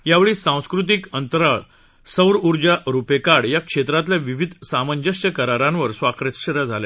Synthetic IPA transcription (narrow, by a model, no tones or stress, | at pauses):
jaʋeɭiːsãw̃skɾut̪̬ikənt̪əɾaɭ | səwɾuɾd͡ʑaɾupekaɽjakʂet̪ɾat̪ljaʋiʋid̪ʱsaməɲd͡ʑəʂt͡ɕəkəɾaɾãnʋəɾsʋakɾet̪ɕəɾad͡zʱale